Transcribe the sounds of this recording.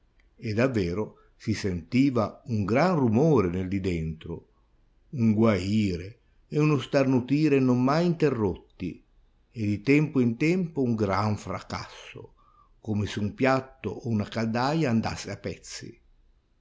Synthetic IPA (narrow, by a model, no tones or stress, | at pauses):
ed̪avːɛːɾo | sisent̪iːvauŋɡɾanrumoːɾeneld̪id̪ɛnt̪ɾo̰ | uŋɡwaiːɾeː | unost̪arnut̪iːɾenomːajint̪erːot̪ːḭ | ed̪it̪ɛmpoint̪ɛmpouŋɡɾaɱfɾa̰ka̰sːo̰ | komesɪumpjat̪ːo̰ʔːunakad̪ajaːnd̪a̰sːeapːɛt̪sːḭ